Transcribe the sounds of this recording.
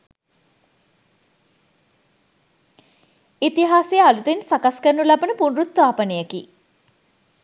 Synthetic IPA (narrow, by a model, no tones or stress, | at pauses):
it̪iɦaːsejəalut̪ensakaskənːulabənəpunrut̪ːʋaːpənejəki